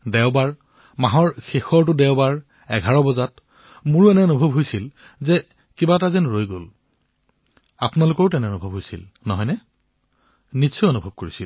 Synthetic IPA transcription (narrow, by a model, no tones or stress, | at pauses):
dɛʊbaɹ | maɦɔɹxexɔɹt̬ʊdɛʊbaɹ | ɛɡʱaɹɔbɔzat | mʊɹuɛnɛɔnubʱɔbɦojsil | zɛ | kibatazɛnɹojɡol | apʊnalʊkɔɹʊtɛnɛɔnubʱɔbʱɦojsḭl | nɔɦɔjnɛ | nisʰɔɔnubʱɔb̚koɹisil